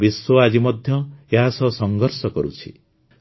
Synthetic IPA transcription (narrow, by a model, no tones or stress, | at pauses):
biswɔad͡ʒimɔd̪ʱjɔeɦasɔsɔŋɡɔɾsɔkɔɾut͡ʃʰi̥̰